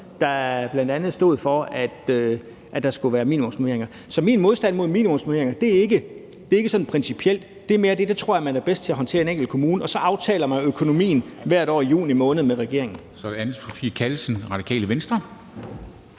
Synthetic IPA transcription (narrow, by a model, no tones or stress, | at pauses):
d̥ɑ̈æb̥lænd̥ænð̞̩ˠsd̥o̝ːð̞̩̰ˠfɒæd̥ø | ʔæd̥ɑ̈sɡ̥uʋæːɐmḭːnimɔ̽msmoe̝ɐeŋɐ | sɒ̽minmo̝ð̞ˠsd̥æn̰mo̝ð̞̰ˠmḭːnimɔ̽msmoe̝ɐeŋɐd̥e̝æɐe̝ɡ̥ə | d̥e̝ɐe̝ɡəsɒ̽d̥n̩pʰʁɛnsipʰiel̰d̥ | d̥e̝me̝ːɐd̥e̝d̥et͡sʰʁo̝ɐ̰æɐmænʋæɐb̥esd̥t͡sʰe̝æɦɒnt͡sʰe̝̰ɐe̝neŋ̰ɡ̥l̩kʰo̝muːnəɒ̽sɒ̽ʔɑ̈ʊt͡sʰɛ̰ːlɐmænøkʰo̝no̝mḭːn̩ʋæɐ̰ɾ̥ɒ̰ːijṵːnimɔ̽ːnəð̞̩ˠmeʁɛɡ̥e̝ɐ̰e̝ŋn̩sɒd̥eænð̩ˠpʰofḭːkʰælsənʁɑ̈d̥ikʰɛ̰ːləʋensd̥ʁɐ